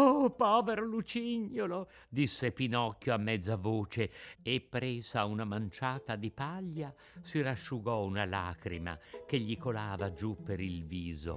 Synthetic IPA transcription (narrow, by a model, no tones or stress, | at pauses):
opɔːveɾolut͡ʃiɲːolo | d̪isːepinɔkʲːjoamːɛd̪zːavoːt͡ʃeːpːɾɛːzaunamant͡ʃaːt̪ad̪ipaʎːa | siraʃːuɡɔunala̰ːkɾima̰k̟eʎːikolaːvad͡ʒupːeɾilviːzo̰